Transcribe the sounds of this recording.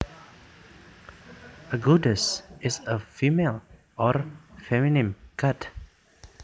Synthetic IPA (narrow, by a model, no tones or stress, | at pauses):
əɡudəsɪsəfimel | ɔɾfɛminɪ̃mkʰat